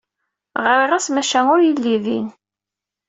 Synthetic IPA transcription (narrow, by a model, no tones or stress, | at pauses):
ʁɾiʁæsmæʃænʊɾjilːiðḭn